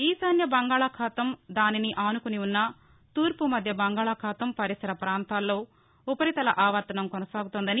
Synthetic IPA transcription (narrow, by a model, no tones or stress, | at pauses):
iːsɐnjɐbɐŋɡaːɭɐkʰaːt̪ɐmd̪aːniniʔaːnukuniunːɐ | t̪uːɾpumɐd̪ʱjɐbɐŋɡaːɭɐkʰaːt̪ɐmpɐɾisɐɾɐpɾaːnt̪aːlːo̞ː | upɐɾit̪ɐlɐʔaːʋɐɾt̪ɐnɐmkɔnɐsaːɡut̪und̪ɐni